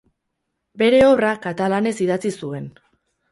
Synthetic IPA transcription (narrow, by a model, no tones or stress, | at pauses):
be̞ɾe̞oβrakat̪alane̞siðat͡sisue̞n